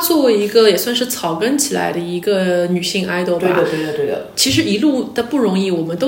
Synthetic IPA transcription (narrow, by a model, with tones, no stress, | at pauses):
t͡swɔ˥˩we˧˥i˧˥ɡə˧jɛ˨˩swnʂɻ̩˥˩t͡sʰɑ˨˩ʊkə˥nt͡ɕʰi˨˩la̰˧˥ɪd̪ə˧i˧˥ɡə˧ny˨˩ɕi˥˧ŋʔa˥ɪt̪o˥˧˩wḛ˥˩˨ə˨˧we˥˩ə˨˩t̪we˥˩d̪ə̰˩t͡ɕʰi˧˥ʂ̬ɻ̩˧˥i˧˥lu˥˩d̪̥ə˩pu˥˩ɻʊ˧˥ŋi˥˩wɔ˨˩mə˦nt̪o˥